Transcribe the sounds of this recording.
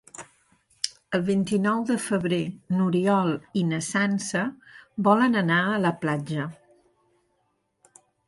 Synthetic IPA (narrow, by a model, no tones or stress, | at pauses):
əlˠβint̪inɔwðəfəβɾenuɾiɔlˠinəsansəbɔlənənaələplad͡ʒə